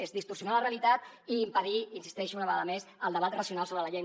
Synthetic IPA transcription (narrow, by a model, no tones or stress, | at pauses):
ezðist̪ursiunaləreəlit̪at̪iːmpəðiinsi̥st̪ɛʃunəβəɣaðəmezəlˠd̪əβat̪rəsiunalˠsoβɾələʎej